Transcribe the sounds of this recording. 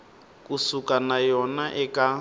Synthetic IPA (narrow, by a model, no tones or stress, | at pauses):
kʼusukanajɔnaʔɛkʼa